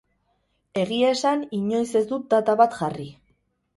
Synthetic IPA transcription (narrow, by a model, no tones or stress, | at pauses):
e̞ɣ̞iaesaniɲo̞jse̞zd̪ut̪̚d̪at̪aβat̪ʝari